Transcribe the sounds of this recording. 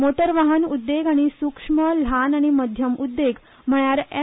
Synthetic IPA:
mot̪əɾʋaɦənud̪ːeɡaɽ̃isukʂməl̤anaɽ̃iməd̪ʱjəmud̪ːeɡ | m̤əɭjaɾ

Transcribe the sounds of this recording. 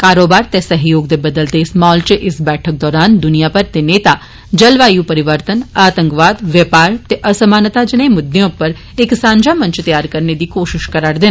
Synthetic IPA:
kaːɾoːbaɾt̪ɛ̃səɦjoːɡ̚d̪ebəd̪əlt̪esmaɦɔlt͡ʃeʔɪsbɛʈʰək̚d̪ɔːɾand̪ʊnijapəɾt̪eneːt̪a | d͡ʒəlʋajũpəɾɪʋəɾt̪ənaːt̪ə̃ŋkʋad̪ʋjəpaɾt̪eʔəsəmaːnət̪ad͡ʒənemʊd̪jõpəɾ | eksãːɲd͡ʒamə̃ɲt͡ʃt̪əjaɾkəɾned̪ikoːʃɪʃkəɾaɽd̪e

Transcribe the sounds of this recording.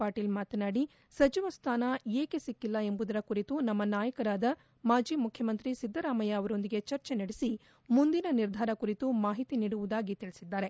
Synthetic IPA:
aːʈiːlmaːt̪ɐnaːɽi | sɐt͡ʃiʋɐst̪ʰaːnɐeːke̞sikːilːɐe̞mbud̪ɐɾɐkuɾit̪unɐmːɐnaːjɐkɐɾaːd̪ɐ | maːd͡ʒiːmukʰjɐmɐnt̪ɾisid̪ʱːɐɾaːmɐjɐɐʋɐɾo̞nd̪iɡe̞t͡ʃɐɾt͡ʃe̞nɐɽesi | mund̪inɐniɾd̪ʱaːɾɐkuɾit̪umaːɦit̪iniːɽuʋud̪aːɡit̪iɭisid̪ːaːɾe̞

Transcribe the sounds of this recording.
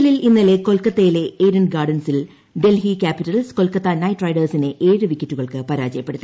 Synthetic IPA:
lilinːɐle̞ko̞lkːɐt̪ːɐjile̞eːɾɐnɡaːɖɐnsil | ɖe̞lhikʲaːpiʈːɐlsko̞lkɐt̪ːɐnɐjʈrɐjɖɐrsineʔe̞ːɻɨʋikʲːɐtːuɣɐɭkɨpɐɾaːd͡ʑɐjɐpːe̞ɽut̪ːi

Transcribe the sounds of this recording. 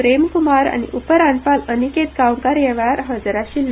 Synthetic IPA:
pɾemkumaɾa̰ñḭʔupəɾanpaləniket̪̚kawŋkaɾjɛʋjaɾɦəd͡zɾaɕiːl

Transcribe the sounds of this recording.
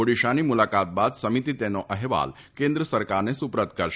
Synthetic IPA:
oɽiɕañimulakat̪̚bad̪səmit̪it̪ɛnɔʔəɦeʋa̰l | kẽnd̪ɾəsəɾkaɾnesupɾət̪kəɾ

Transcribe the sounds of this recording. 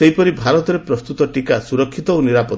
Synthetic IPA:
eɦipɔɾibʱaɾɔt̪ɔɾepɾɔst̪ut̪ɔʈikasuɾɔkʰːit̪ɔoniɾapɔ

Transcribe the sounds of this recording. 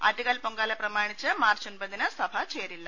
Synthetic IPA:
ɐ̰ʈiɣaːlpoŋɡaːlɐprɐmaːɳit͡ɕːɨmaːrt͡ʃonbɐninɐsɐbʱɐt͡ɕeːɾilːɐ

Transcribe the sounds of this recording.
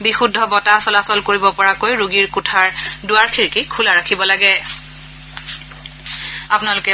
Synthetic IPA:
bixudʱːɔbɔtasɔlasɔlkoɹibɔpɔɹakojɹuɡiɹkʊtʰaɹdʊwaɹkʰiɹkikʰulaɹakʰibɔlaɡɛ | apʊnalʊkɛ

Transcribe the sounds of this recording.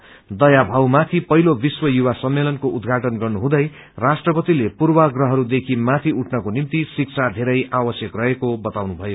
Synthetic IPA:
d̪ʌjabʱawmat̪ʰipʌɦilobiswʌjuwasʌmːelʌnkoʔud̪ɡʱaʈʌnɡʌrnuɦũd̪ʌj | rasʈrʌpʌt̪ilepurwʌɡrʌɦʌɾud̪ekʰimat̪ʰiuʈʰnʌkonimt̪isik̚t͡sʰad̪ʱeɾʌjʔawʌsjʌkrʌekobʌt̪awnubʱʌjo

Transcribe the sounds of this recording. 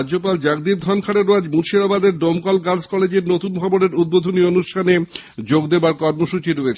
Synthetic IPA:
d͡ʑopald͡ʑaɡd̪iɾd̪ʱɔnkʰaɽeɾoad͡ʑmuɾʃiɾabad̪eɾɖomkɔlɡaɾskɔled͡ʑeɾnot̪unbʱɔboneɾud̪̚bod̪ʱonionuʃʈʰane | d͡ʑoɡd̪ebaɾkɔɾmoʃut͡ɕiɾoet͡ɕʰ

